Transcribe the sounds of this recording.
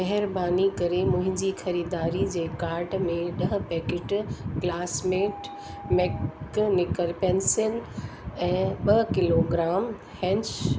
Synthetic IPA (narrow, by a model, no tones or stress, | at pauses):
mɛɦɪɾbaːnikɐɾemʊ̃ɦɪ̃ɲd͡ʑixɐɾiːd̪aːɾid͡ʑeːkaːɾʈmẽɗɐɦ̆pɛːkɪʈklaːsmeːʈ | mɛknɪkəlpɛ̃nsɪnɛ̃ːɓɐɦkɪloːɡɾaːm | hɛ̃ɲt͡ɕ